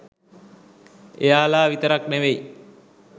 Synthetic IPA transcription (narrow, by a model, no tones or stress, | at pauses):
ejaːlaːʋit̪əɾak̚neʋej